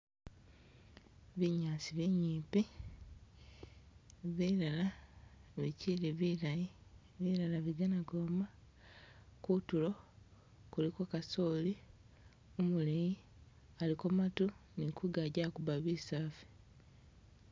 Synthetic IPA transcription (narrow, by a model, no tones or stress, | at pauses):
βiɲaːsiβiɲiːpi | βilala | βiciliβilaji | βilalaβiɡanaɡoːma | kutulo̞ | kulikokasoːli | omuleji | alikomatunikuɡaɟakuβaβisaːfi̥